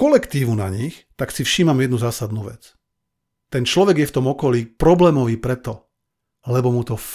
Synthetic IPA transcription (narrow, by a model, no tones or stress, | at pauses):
kɔlɛkt̪iːʋuna̰ɲixt̪aksifʃiːmamjɛd̪nuzaːsad̪nuʋɛt͡s | t̪ɛnt͡ʃlɔʋɛɡjɛft̪ɔmɔkɔliːpɾɔblɛːmɔʋiːpɾɛt̪ɔ | lɛbɔmut̪ɔ